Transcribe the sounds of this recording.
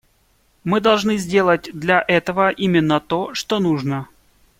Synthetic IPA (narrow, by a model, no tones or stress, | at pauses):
mɨd̪ɐlˠʐnɨzʲdʲe̞lˠət̚ʲd̪lʲɐʔɛt̪əvəʔimʲɪnːət̪oʂt̪onuʐnə